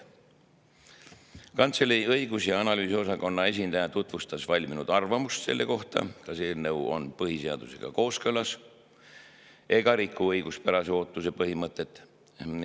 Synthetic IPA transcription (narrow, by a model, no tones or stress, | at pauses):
kɑnt̪seliɤiɡ̥usjɑɑnɑlyːsio̞s̬ɑko̞nːɑe̞s̬ʲind̪ɑjɑt̪ut̪ˑvust̪ɑsvɑlʲminud̪̥ɑrvɑmust̪se̞lːe̞ko̞ht̪ɑ̰kɑseːlnɤwo̞̰npɤɦise̞ɑ̰d̪̥use̞̰ɡ̥ɑ̰ko̞ːskɤlɑs | e̞ɡ̥ɑɾikːˑuɤjɡ̥uspæɾɑseo̞ːt̪ːˑuse̞pɤɦimɤt̪ːˑe̞t̪ːˑ